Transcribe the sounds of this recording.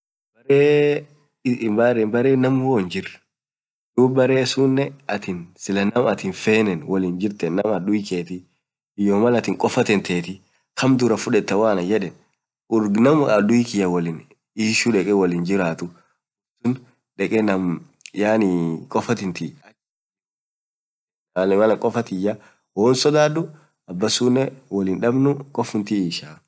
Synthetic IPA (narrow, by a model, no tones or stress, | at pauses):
bɐɾeː | bɐɾɛbɐɾeːnɐmhoːnd͡ʒɪr | d̪uːbɐɾe̞ːsunːɛɐt̪ɪnsɪlɐnɐmɐt̪ɪnfeːnɛnwɐliːnd͡ʒɪɾt̪ɛnːɐmɐd̪ʊjkeːt̪ɪ | ɪjoːmɐlɐt̪ɪŋkʼɔfɐt̪ɛnt̪ʰeːt̪ɪ | kʰɐmd̪ʊɾɐfʊᶑɛt̪ːɐwaːnɐd͡ʒɛᶑɛn | ʊɾɡnɐmɐd̪ʊjɪkɪjɐwɐlɪn | iːʃuᶑɛkʼɛwɐlɪnd͡ʒɪɾaːt̪ʊ | sʊn | ᶑɛkʼɛnɐm | jaːnikʼɔfɐt̪ɪnt̪ɪɐ | aːlɛmɐlɐkʼɔfɐt̪ɪjːɐ | woːnsɔd̪aːd̪ʊ | ɐbːɐsuːnːɛwɐlɪnᶑɐbnʊkʼɔfʊnt̪ɪiːʃaː